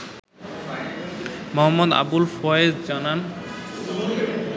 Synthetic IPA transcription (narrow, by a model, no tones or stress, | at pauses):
mɔɦɔmːɔd̪a̰bulfʰɔezd͡ʑanan